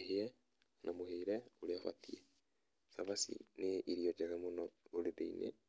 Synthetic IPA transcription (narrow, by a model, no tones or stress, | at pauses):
eheɛ | nʔamoheiɾɛoɾeafa̰tiɛ | saβasḭneʔiɾiɔd͡ʒɛɣɛmonɔoɾeβeinḛ